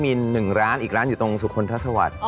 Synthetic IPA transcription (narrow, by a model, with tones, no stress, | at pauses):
miː˧nɯ˨˩ŋɾaː˦˥nʔiː˨˩k̚ɾaː˦˥njuː˨˩t̪o˧ŋsu˨˩kʰo˧nt̪ʰa˦˥˩sa˧wa̰˨˩t̪̚